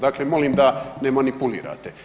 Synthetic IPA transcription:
d̪aːklemo̞limd̪anemanipulḭːɾa̰ːt̪e

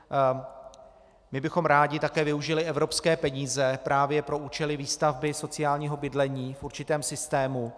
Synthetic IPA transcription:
mɪbɪxo̞mɾaːɟɪt̪akɛːvɪuʒɪlɪʔɛvɾo̞pskɛːpɛɲiːzɛpɾʔaːvjɛpɾo̞ʔuːt͡ʃɛlɪviːst̪avbɪso̞t͡sɪaːlɲiːɦo̞bɪdlɛɲiːfʔuɾt͡ʃɪt̪ɛːmsɪst̪ɛːmu

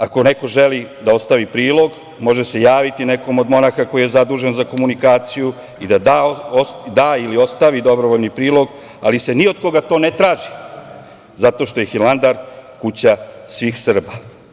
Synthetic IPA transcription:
ako̞neko̞ʒe̞lid̪ao̞st̪aʋipɾiːlˠo̞ɡ | mo̞ʒese̞jaːʋit̪ine̞ko̞mo̞d̪mo̞naxako̞ijezad̪uːʒenzako̞munikaːt̪siju | id̪ad̪aod̪aːilio̞st̪aʋid̪o̞bɾoʋoʎnipɾiːlˠo̞ɡ | a̰lise̞niod̪ko̞ɡat̪o̞ːnet̪ɾaːʒi | zat̪o̞ːʃt̪o̞jexiland̪aɾkut͡ɕasʋiːxsr̩ba

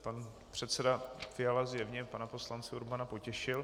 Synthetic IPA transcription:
pan | pr̝̥ɛt̪sɛdafɪjalazjɛvɲɛpanapo̞slant͡sɪuɾbanapo̞cɛʃɪl

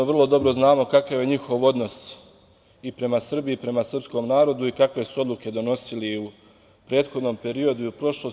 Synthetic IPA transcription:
ʋrlˠo̞d̪o̞bɾo̞znaːmo̞kakaʋje̞ɲixo̞ʋo̞d̪no̞s | ipɾe̞masr̩biːpɾe̞masr̩psko̞mnaːɾo̞d̪uikakʋe̞suo̞d̪luke̞d̪o̞no̞siliu | pɾe̞ːd̪xo̞d̪no̞mpe̞ɾio̞d̪uiupɾo̞ʃlo

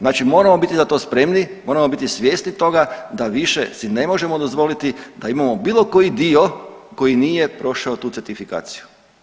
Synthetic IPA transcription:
znaːt͡ʃimo̞ɾamo̞bit̪izat̪o̞ːspɾe̞mnimo̞ːɾamo̞bit̪isʋje̞ːsnit̪o̞ɡad̪aʋiʃesine̞mo̞ʒe̞mo̞d̪o̞zʋo̞lit̪id̪aimamobiːlˠo̞ko̞jid̪io̞ko̞jinije̞pɾo̞ʃaot̪uːseɾt̪ifika̰ːt̪si̥ju

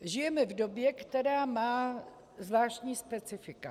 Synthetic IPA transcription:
ʒɪjɛmɛvdo̞bjɛkt̪ɛɾaːmaː | zvlaːʃc̪ɲiːspɛt͡sɪfɪka

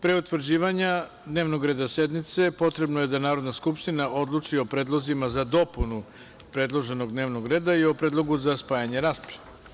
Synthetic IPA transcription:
pɾe̞ut̪ʋr̩d͡ʑiːʋaɲa | d̪neʋno̞ɡɾe̞ːd̪ase̞d̪nit̪se̞po̞t̪ɾe̞bnoje̞d̪anaːɾo̞d̪naskupʃt̪inaʔo̞d̪lˠut͡ʃio̞pɾe̞ːd̪lˠo̞zimazad̪o̞punu | pɾe̞d̪lˠo̞ʒe̞no̞ɡd̪neʋno̞ɡɾe̞ːd̪aio̞pɾed̪lˠo̞ɡuzaspaːjaɲeɾaːsple̥

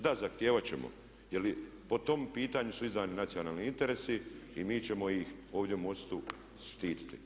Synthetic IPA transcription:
d̪azaxt̪jeːʋat͡ɕe̞̰mo̰ | jeli | po̞t̪o̞mpiːt̪aːɲusuizaːninat̪sionaːlˠniint̪e̞ɾesiimiːt͡ɕe̞mo̞jixo̞ːʋd̪je̞umo̞st̪u | sʃt̪iːt̪i̥t̪i

